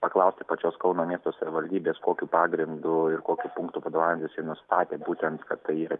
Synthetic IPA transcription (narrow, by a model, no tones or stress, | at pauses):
pɐklˠɐʊsʲt̪ʲɪpɐt͡ʃʲoːskɐʊnoːmʲiɛst̪oːsɐʋʲɪʋɐlʲd̪ʲiːbʲeːskoːkʲuːpɑːɡɾʲɪnd̪ʊɪɾkoːkʲupʊŋkt̪uːpɐd̪oːʋaːɪmt̪ʲɪsjɛnʊst̪ɑːt̪ʲeːbuːt̪ʲɛnt̪kɐt̪t̪ɐɪiːɾɐ